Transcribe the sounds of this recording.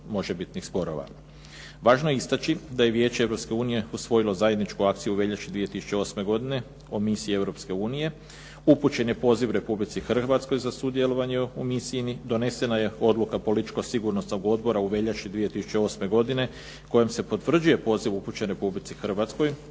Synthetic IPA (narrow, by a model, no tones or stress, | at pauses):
mo̞ʒebit̪nixspo̞ɾo̞̰ʋa̰ | ʋaːʒnoist̪at͡ɕid̪aje̞ʋje̞ːt͡ɕeeʋɾo̞pske̞uːnije̞usʋo̞jilo̞zajed̪nit͡ʃkuak̚t̪sijuʋe̞ʎat͡ʃid̪ʋie̞t̪isu̥t͡ɕe̞o̞sme̞ɡo̞d̪ine̞ | omisiie̞ʋɾo̞pske̞uːnije̞ | uput͡ɕe̞nje̞po̞ːziʋɾe̞publit̪sixr̩ʋat̪sko̞jzasud̪je̞lo̞ʋaɲeumisiinid̪o̞ne̞se̞naje̞o̞d̪lukapo̞lit̪it͡ʃkosiɡuɾno̞sno̞ɡo̞d̪bo̞ɾauʋe̞ʎaʃid̪ʋije̞t̪isu̥t͡ɕe̞o̞ːsme̞ɡo̞d̪ine̞ | ko̞je̞mse̞po̞t̪ʋr̩d͡ʒuje̞po̞ːziʋuput͡ɕe̞nɾe̞publit̪sixr̩ʋat̪sko̞j